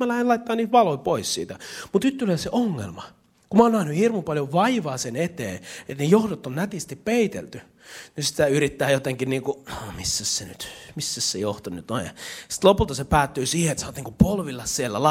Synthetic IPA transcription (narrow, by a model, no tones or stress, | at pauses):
mælæhenlɑit̪ːɑːniːt̪ʋɑloipoissḭːt̪æmut̪nyt̪ːyleseʔoŋːḛlmɑ | kumɑoːnæhnyhirmupɑljoʋɑiʋɑːsenet̪ḛːet̪nejohdot̪ːonnæt̪ist̪ippeit̪ḛlt̪y | nysi̥t̪æyrit̪ːæːjot̪eŋkinniːŋkunomisːæssenyt̪misːæssejoht̪onyt̪o̰jjɑsi̥t̪lopult̪ɑsepæːt̪ːyːsiːheet̪sɑnːot̪niːŋkupolʋilːɑssielːælɑ